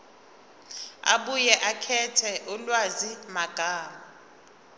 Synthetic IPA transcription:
a̰ɓujɛʔakʰɛtʰɛʔulwazimaɡ̥ʱaːma

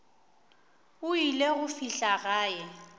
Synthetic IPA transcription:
ʊileɣʊfiɬaɣaːjɛ

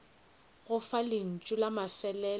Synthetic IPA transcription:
ɣʊfalɪn̩t͡ʃʼʊlamafɛlɛ

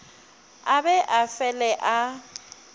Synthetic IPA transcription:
abɛʔafɛlɛʔa

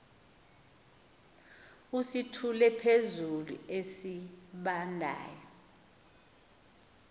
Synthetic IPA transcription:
usitʰulɛpʰezulṵesiɓandʱa̰ːjɔ

